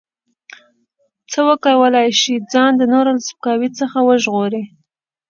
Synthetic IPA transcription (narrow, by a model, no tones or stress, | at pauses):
t͡səwəkəwəlɑjʃid͡zɑnd̪ənoɾalsp̚kɑwit͡səxawəʒɣoɾi